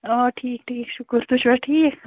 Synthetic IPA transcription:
oːʈʰiːk̚ʈʰiːkʃʊkəɾt̪uʃbəʈʰiːk

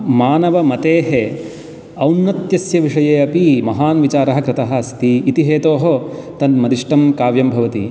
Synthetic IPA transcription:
maːnɐʋɐmɐt̪eːɦe | ɐwnːɐt̪jɐsjɐʋiʂɐjeːɐpimɐɦaːnʋit͡ʃaːɾɐɦɐkɾɪt̪ɐɦɐ̆ɐst̪iːt̪iɦeːt̪oːɦot̪ɐnmɐd̪iʂʈɐmkaːʋjɐmbʱɐʋɐt̪ḭ

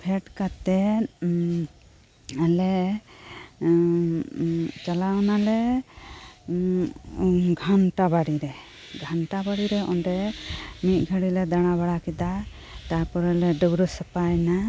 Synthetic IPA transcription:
pʰɛʈkat̪ɛ | alɛ | t͡ʃalanalɛ | ɡʱanʈabaɽiɾɛ | ɡʱanʈabaɽiɾɛɔnɖɛmit̪̚ˀɡʱəɽilɛd̪aɽ̃abaɽakid̪a | t̪apɔɾɛlɛɖəbɾɔsəpajna

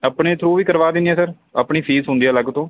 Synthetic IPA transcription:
əpɳeːt̪ʰɾuːʋiːkəɾʋaːd̪ɪnd̪ijaːsəɾ | əpɳiːpʰiːzɦʊ̃nd̪iːaːləɡt̪õː

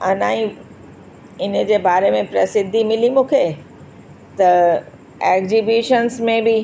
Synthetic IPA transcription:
ɐnaːĩ | ɪnə̆d͡ʑeːbaːɾemẽpɾɐsɪd̪ʱːimɪlimũːkʰe | t̪ɐ | ɛːkzibiːʃənsmẽbɪ

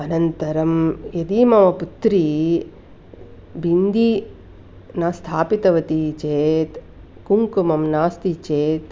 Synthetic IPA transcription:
ɐnɐnt̪ɐɾɐmjɐd̪iːmɐʋɐput̪ɾi | bind̪i | naːst̪ʰaːpit̪ɐʋɐt̪it͡ʃeːt̪ | kuŋkumɐmnaːst̪it͡ʃeːt̪

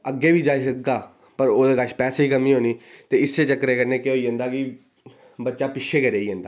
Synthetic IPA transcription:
əɡːeːʋiːd͡ʒaːiːsək̚d̪aː | pəɾoːd̪eːkəʃpɛːseːiːkəmĩːɦoːniːt̪eːɪsːeːt͡ʃəkːɾeːkəɾneːkeɦoːiːɦə̃ːnd̪aːkɪ | bətːʃaːpɪʃʰeːkəɾeːiːɦə̃ːnd̪aː

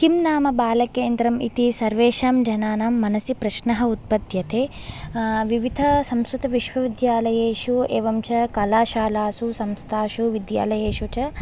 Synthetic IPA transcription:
kimnaːmɐbaːlɐkeːnd̪ɾɐmḭt̪isɐɾʋeːʃaːmd͡ʒɐnaːnamːɐnɐsjipɾɐʃnɐɦɐ̆ut̪̚pɐd̪jɐt̪eː | ʋiʋid̪ʱɐsɐmsɾut̪ɐʋiʃʋɐʋid̪jaːlɐjeːʃueːʋɐmt͡ʃɐkɐlaːʃaːlaːsusɐmst̪ʰaːʃuʋid̪ja̰ːlɐjeːʃut͡ʃɐ

